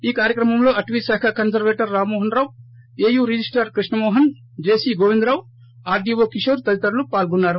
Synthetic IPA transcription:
iːkaːɾjɐkɾɐmɐmlo̞ːɐʈʋiːsaːkʰɐkɐnsɐɾʋeːʈɐɾːaːmɔːɦɐnɾaːw | eːjuːɾid͡ʒisʈɐɾkɾiʂɳɐmɔːɦɐn | d͡ʒeːsiːɡoːʋind̪ɾaːw | aːɾɖiːʋoːkiʂɐːɾt̪ɐlit̪ɐɾulupaːlɡunːaːɾu

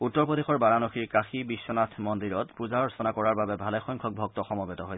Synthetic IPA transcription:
utːɔɹpɔdexɔɹbaɹanɔxiɹkaxibisːɔnatʰmɔndiɹɔtpuzaɹɔsɔnakɔɹaɹbabɛbʱalɛxɔjŋkʰɔk̚bʱɔk̚tɔxɔmɔbetɔɦoj

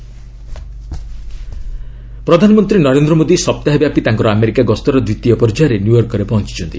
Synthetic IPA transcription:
pɾɔd̪ʱanɔmɔnt̪ɾinɔɾend̪ɾɔmod̪isɔp̚t̪aɦabjapit̪aŋkɔɾɔameɾikaɡɔst̪ɔɾɔd̪wit̪ːijɔpɔɾd͡ʒaɾenjujɔɾkɔɾepɔɦɔ̃nt͡ʃi̥t͡ʃʰɔnt̪i

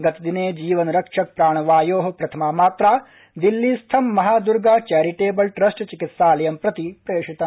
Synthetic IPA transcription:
ɡɐt̪d̪ineːd͡ʒiːʋɐnɾɐkʂɐk̚pɾaːɳ̃ɐʋaːjoːɦɐ̆pɾɐt̪ʰɐmaːmaːt̪ɾaː | d̪ilːiːst̪ʰɐmːɐɦaːd̪uɾɡaːt͡ʃaːɾiʈeːbɐlʈɾɐsʈt͡ʃikit̪saːlɐjɐmpɾɐt̪ipɾɐjeːʃit̪ɐ

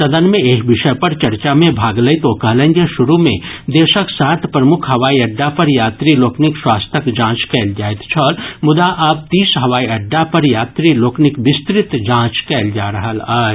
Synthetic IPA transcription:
sɐd̪ənmẽeːkbɪʃəpɐɾt͡ʃɐɾt͡ʃamẽbʱaːɡləit̪oːkɐɦlə̃nɡ̪jeʃʊɾumẽd̪eːʃəksaːt̪ʰpɾɐmʊkʰɦɐʋaːiɐɖːapɐɾjaːt̪ɾiloːknɪkswaːst̪ʰəkd͡ʒãːt͡ʃkɛːld͡ʒaːet̪t͡ʃʰɐlmʊd̪aʔaːp̚t̪iːsɦɐʋaːiɐɖːapɐɾjaːt̪ɾiloːknɪkʋɪst̪ɾɪt̪d͡ʒãːt͡ʃkɛːld͡ʒaːɾɐɦəlaː

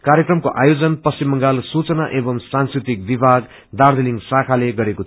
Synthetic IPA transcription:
kaɾjekrʌmkoʔajod͡zʌnpʌsimːʌŋɡalsut͡sʌnaʔebʌmsãnskrit̪ik̚bibʱaɡ | d̪ard̪eliŋɡsakʰaleɡʌɾeko

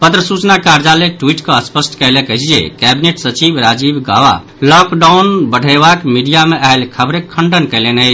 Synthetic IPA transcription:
pət̪ɾəsut͡ʃnakaɾd͡ʒaleʈwiʈkeəspəsʈkəjlekəsʰid͡ʒḛkɛbineʈsət͡ʃibɾad͡ʒibɡa̰wa̰ | lɔkɖaunbəɽʱəbakmiɖijameʔaɦelkʰəbɾekʰəɳɖənkəlenət͡ʃʰ

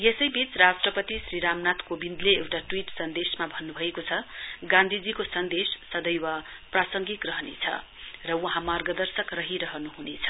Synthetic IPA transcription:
jesʌjbit͡srasʈrʌpʌt̪isrɾiɾamnat̪kobind̪leewʈaʈwiʈsʌnd̪esmabʱʌnːubʱʌekot͡sʰʌɡãnd̪ʱid͡zikosʌnd̪esːʌd̪ʌjwaprasʌŋɡikrʌɦʌnḛt͡sʰʌ̰ | rʌwʌɦãmarɡʌd̪ʌrsʌkrʌɦiɾʌɦʌnuɦunet͡sʰʌ

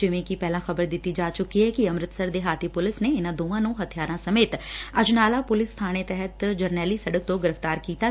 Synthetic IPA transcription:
d͡ʒɪʋẽːkipɛːlãːxəbəɾd̪ɪt̪ːid͡ʒaːt͡ʃʊkːiɦɛːkiəmɾɪt̪səɾd̪eːɦaːt̪ipʊlɪsneɪnãːd̪oːʋãːnũɦət̪ʰijaːɾãsəmeːt̪əd͡ʒʊnaːlaːpʊlɪst̪ʰaːñet̪ɛɦət̪d͡ʒəɾnɛːlisəɽək̚t̪õːɡɪɾəft̪aːɾkiːt̪aː

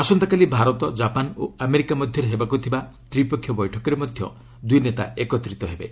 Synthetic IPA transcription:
asɔnt̪akalibʱaɾɔt̪ɔd͡ʒapano̰ameɾikamɔd̪ʱjɔɾeɦebakut̪ʰibat̪ɾipɔkʰːjɔbɔjʈʰɔkɔɾemɔd̪ʱjɔ̰ | d̪ujnet̪a̰ekɔt̪ɾit̪ɔɦebe

